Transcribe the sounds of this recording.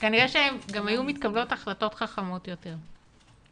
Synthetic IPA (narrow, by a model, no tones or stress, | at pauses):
kaniʁeʃeemɡamajumit̪kablo̞taχlato̞tχaχamo̞tjo̞te̞ʁ